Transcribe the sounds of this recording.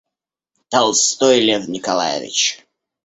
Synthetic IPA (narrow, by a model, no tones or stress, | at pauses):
t̪alˠst̪ojlʲɛvnʲɪkalˠa̰jɪ̰vʲɪ̰t͡ɕ